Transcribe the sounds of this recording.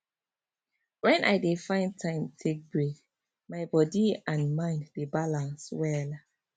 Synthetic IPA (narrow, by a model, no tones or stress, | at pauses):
wɛ̃nʔa̰jdefãɪ̃n̚tʰãɪ̃mtʰek̚bɹek | maɪbɔdiãnmãɪ̃ndːebalãnswɛl